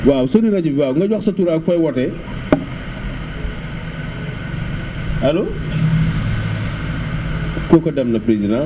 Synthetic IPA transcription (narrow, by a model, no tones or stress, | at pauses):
wawsɔdiɾɐɟuwawŋɡɐɟwɐksɐtuɾakfɔjwɔtɛ | hɐlo | kɔkɔdɐmnɐpɾezidã